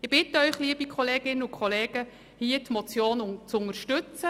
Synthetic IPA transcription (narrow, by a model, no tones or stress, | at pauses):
ɪb̥ɪtəœʏχliəbikʰɔleːɡ̥ɪnənʊkʰχɔleːɡə | hiːətmot͡sjoːnʊt͡sʊŋəɾʃtʏt͡sə